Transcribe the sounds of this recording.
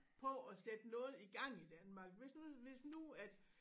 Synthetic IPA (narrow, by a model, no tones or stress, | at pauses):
pʰɒ̽æsed̥ənɔ̽ːð̞̩ˠiɡ̥ɑ̈ŋ̰id̥ænmɑ̈ːɡ̥ʋe̝snuʋe̝snuæd̥